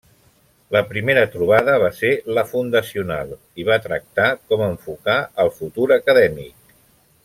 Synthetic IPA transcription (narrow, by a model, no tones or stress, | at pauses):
ləpɾimeɾət̪ɾuβ̞aðəβ̞aseləfund̪əsiunalˠ | iβ̞at̪ɾə̰k̚t̪akɔməɱfukaəlˠfut̪uɾəkəðɛmḭk̚